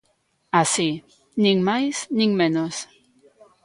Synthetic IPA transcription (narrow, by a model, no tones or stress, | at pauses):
asi | nĩŋmajsnĩŋmẽnos